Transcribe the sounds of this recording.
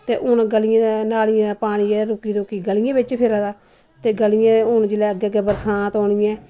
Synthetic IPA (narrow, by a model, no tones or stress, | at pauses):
t̪eːʔʊnɡəlɪjãːd̪naːlɪjãːd̪aːpaːɽ̃iːɛːɾʊkiːɾokiːɡəlɪjãːbɪt͡ʃpʰɪɾaːd̪aː | t̪eːɡəlɪjãːʊnd͡ʒɪlɛːəɡɛːəɡɛːbəɾsãːt̪ɔːɳɪjãː